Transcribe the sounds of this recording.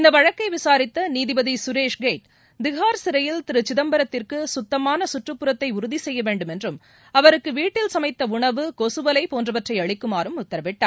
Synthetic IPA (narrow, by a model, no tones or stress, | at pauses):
ɪnd̪ɐʋɐɻɐkːɐɪʋɪsaːɾɪt̪ːɐniːðɪbɐðisʊɾeːʂɡeːʈ | d̪ɪɣaːɾsɪɾɐjɪlt̪ɪɾɯt͡ʃːɪðɐmbɐɾɐt̪ːɪrkɯsʊt̪ːɐmaːnɐsʊʈrɯpːɯɾɐt̪ːɐɪʊɾʊðisɛjːɐʋeːɳɖɯmɛndrɯm | ɐʋɐɾɯkːɯʋiːʈːɪlsɐmɐɪt̪ːɐʊɳɐʋɯkosɯʋɐlɐɪpoːndrɐʋɐʈrɐɪɐɻɪkːɯmaːɾɯmʊt̪ːɐɾɐʋɪʈːaːɾ